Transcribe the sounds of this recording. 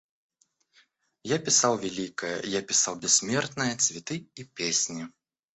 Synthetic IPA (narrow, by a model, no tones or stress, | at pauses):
japʲisawvʲɛlʲikɐjɐ̰japʲisawbʲɛsʲːmʲɛrt̪nɨjɐt͡sʲvʲɛt̪ɨipʲesʲnʲi